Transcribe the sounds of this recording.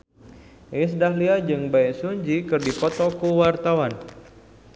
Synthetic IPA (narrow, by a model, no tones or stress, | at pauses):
es̬dahliad͡ʒɨŋbaɛsuɲd͡ʒikɨrdipɔt̪ɔkuwart̪awan